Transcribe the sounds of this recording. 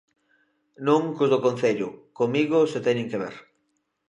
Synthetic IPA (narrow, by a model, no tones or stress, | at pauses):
nõŋkʊzðokon̟θeʎʊkomiɣʊset̪ɛɲẽŋkeβḛɾ